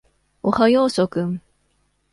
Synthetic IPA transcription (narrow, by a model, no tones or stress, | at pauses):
ohajoːsokɯŋ